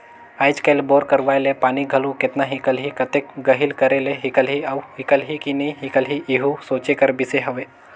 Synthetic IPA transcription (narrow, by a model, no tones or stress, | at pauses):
aːjd͡ʒkəjlboːɾkəɾʋaːjlepaːniɡʱəlukɪt̪naɦikəlɦikət̪ekɡəɦilkəɾeleɦikəlɦiawɦikəlɦikinəɦikəlɦiʔiɦusoːt͡ʃekəɾbiseɦəʋe